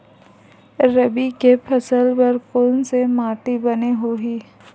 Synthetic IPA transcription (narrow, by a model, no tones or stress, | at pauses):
ɾəbikepʰɐsəlpɐɾkonsemaːʈibɐneɦoɦiː